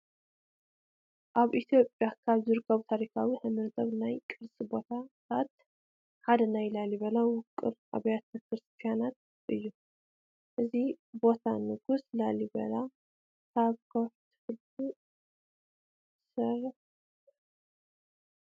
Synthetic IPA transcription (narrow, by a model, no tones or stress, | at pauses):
ʔaβʔit̪ʰjo̞pʼjakʰaβzɨɾɨkʰɐβut̪ʰaɾikʰawiħɨmɨɾt̪ʰʼɐβnajkʼɨɾsʼibo̞t̪ʰaat̪ | ħad̪ɐnajlaliβɐlawʊkʼːɨ̰ɾa̰βjat̪ʰɐkʰɾɨst̪ʰijanat̪̚ | ʔɨjːu | ʔɨzibo̞t̪ʰanɨɡuslalibɐ̰la | kʰaβkʰoft̪ʰɨhɨl | u | sɐɾ